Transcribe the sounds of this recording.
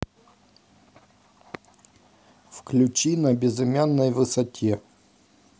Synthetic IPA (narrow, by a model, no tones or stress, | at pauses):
fklʲʉt͡ɕinɐbʲɪzɪmʲanːəjvɨsɐtʲʰe